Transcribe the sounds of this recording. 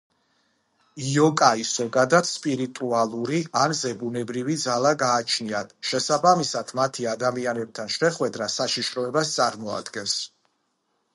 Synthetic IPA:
iɔkʼaisɔɡad̪at̪spʼiɾit̪ʼualˠuɾianzɛbunɛbɾivid̪zalˠaɡaːt͡ʃʰniat̪ʰʃɛsabamisad̪̥mat̪ʰiad̪amianɛb̚t̪ʰanʃɛχwɛd̪ɾasaʃiʃɾɔɛbast̪sʼaɾmɔa̰d̪ɡɛns

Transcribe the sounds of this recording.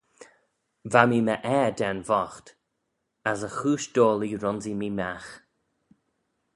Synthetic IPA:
vamiːməʔɛːd̪ɛnvɔxt̪ | asəxuːʃd̥oːliɾɔnzimiːmax

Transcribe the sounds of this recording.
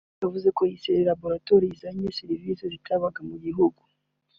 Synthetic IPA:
javuzekojiseɾelabo̞ɾatoɾiːzaɲesiɾivisezitaβaɡamuɟiɦuɡu

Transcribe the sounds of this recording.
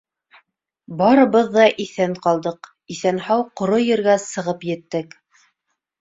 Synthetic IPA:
bɑɾɤ̆βɤðːɑʔiθæŋqɑlˠd̪ɤq | iθænhɑwqŏɾojɘ̆ɾɡæsɤ̆ʁɤpjɘ̆t̪ːɘk

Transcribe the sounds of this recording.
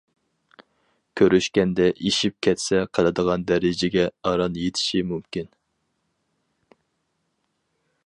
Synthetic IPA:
kʲʰøɾyʃkʲɛnd̪ɛʔiʃip̚kʲʰɛt̪sɛqʰɑlˠɨd̪əʁɑnd̪ɛɾɪd͡ʒɪɡʲɛɑɾɑnjet̪ʰɪ̥ʃimymkʲin

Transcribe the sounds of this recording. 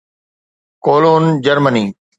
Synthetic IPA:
koːloːnd͡ʑəɾməniː

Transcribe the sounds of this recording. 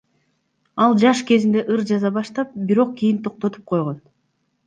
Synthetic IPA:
ɑlˠd͡ʒɑʃke̞zind̪e̞ʔɯɾd͡ʒɑzɑbɑʃt̪ɑp̚biɾo̞q̚ɡʲijint̪ʰo̞q̚t̪o̞t̪ʰu̥p̚qʰo̞jʁo̞n

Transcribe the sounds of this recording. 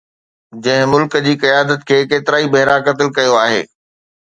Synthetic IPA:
d͡ʑɐ̃ɦɪ̃mʊlkəd͡ʑiːkɐjaːd̪ət̪kʰeːkeːt̪ɪɾaːibɐɦɪɾakɐt̪ɪlkɐjoaːɦḛː

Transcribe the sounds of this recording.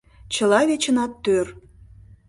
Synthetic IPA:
t͡ɕə̆lɑβet͡ɕə̆nɑt̪ːør

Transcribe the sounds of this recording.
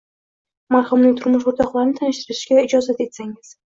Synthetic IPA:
maɾχʊmnɪŋt̪ʰʊɾmʊʃoɾt̪ʰɒqlˠaɾɪnɪt̪ʰanɪʃt̪ɪɾɪʃɡʲaɪd͡ʒɒzat̪e̞t̪saŋɪz̥

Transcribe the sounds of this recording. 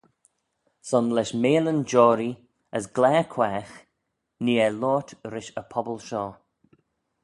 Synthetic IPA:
sɔnlɛʃmeːlənd͡ʒɔːɾi | əsɡlɛːkʰwɛːx | niːɛlɔːtʰɾɪʃəpʰɔbəlʃɔː

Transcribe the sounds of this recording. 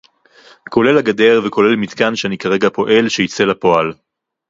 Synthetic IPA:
ko̞le̞laɡade̞ʁveko̞le̞lmit̪kanʃeanikaʁe̞ɡapo̞ʔe̞lʃejit͡se̞lapo̞al

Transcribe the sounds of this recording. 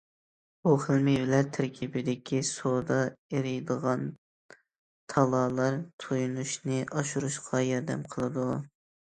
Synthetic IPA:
buχəlˠmɪvlæɾt̪ʰːæɾkʲʰibɪd̪ɪkʲʰisod̪ɑeɾɪjd̪əʁɑn | t̪ʰɑlˠɑːlˠɑɾt̪ʰojunuʃnɨʔɑʃuɾuʃqʰɑjɑɾd̪ɛ̰mqʰəlˠɨd̪u

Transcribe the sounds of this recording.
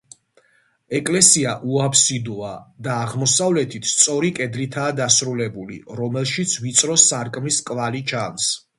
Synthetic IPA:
ɛkʼlɛsiaʔuapʰsid̪uad̪aːʁmɔsavlɛt̪ʰit̪ʰst̪sʼɔɾikʼɛd̪lit̪ʰaːd̪asɾulɛbulḭɾɔmɛlˠʃit̪sʰvit̪sʼɾɔsaɾkʼmiskʼvalit͡ʃʰans

